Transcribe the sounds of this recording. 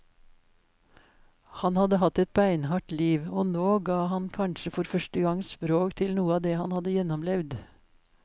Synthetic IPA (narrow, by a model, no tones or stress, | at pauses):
hɑnhɑd̪əhɑt̪ɛt̪̚bæɪnhɑʈliːʋoːnoːɡɑːhɑnkʰɑnʃəfɔɾfœʃʈəɡɑŋspɾoːkt̪ʰɪlnuːəɑːd̪eːhɑnhɑd̪əjɛnɔmlɛʋd̪